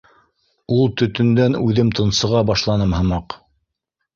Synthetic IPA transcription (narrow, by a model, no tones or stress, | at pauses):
ulˠt̪ɵ̆t̪ɵ̆nd̪ænʉðɘmt̪ʰɤ̆nsɤ̆ʁɑbɑʃlˠɑnɤmhɤ̆mɑq